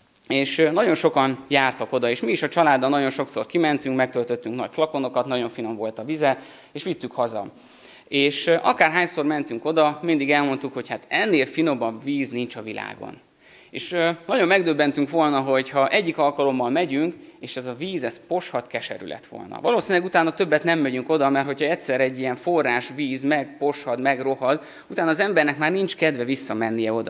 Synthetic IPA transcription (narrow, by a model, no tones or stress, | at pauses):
eːʃnɒɟo̞nʃo̞kɒnjaːrt̪ɒko̞d̪ɒeːʃmiːʃɒt͡ʃɒlaːd̪ːɒnːɒɟo̞nʃo̞kso̞̰rkimɛnt̪yŋkmɛk̚t̪ølt̪ø̞t̪ːyŋknɒ̰cflɒkono̞kɒt̪nɒɟo̞ɱfino̞mvo̞lt̪ɒvizɛ | eːʃʋit̪ːykhɒzɒ̰ | eːʃʔɒkaːrɦaːɲso̞rmɛnt̪yŋko̞d̪ɒmind̪iɡɛlmo̞nt̪ukho̞chat̪ɛnːeːlfino̞bɒviːznint͡ʃɒvila̰ːɡo̰n | ḛːʃønɒɟo̞mːɛɡd̪øbːɛnt̪yŋkʋo̞lnɒɦo̞chɒʔɛɟːikɒlkɒlo̞mːɒlmɛɟyŋkeːʃɛzɒviːzɛspo̞ʃhɒt̪kɛʃɛ̰ɾy̰lɛ̰t̪ʋo̰lnɒ̰vɒloːsinilɛɡut̪aːnɒt̪ø̞bːɛt̪nɛmːɛɟyŋko̞d̪ɒmɛrt̪ho̞chɒɛt̪ʲsɛɾɛɟːijɛɱforːaːʃʋiːzmɛɡpo̞ʃhɒd̪mɛɡro̞ɦɒd̪ | ut̪aːnɒːzɛmbɛrnɛkmaːrnint͡ʃkɛd̪vɛvisːɒmɛnːijɛo̞d̪ɒ̰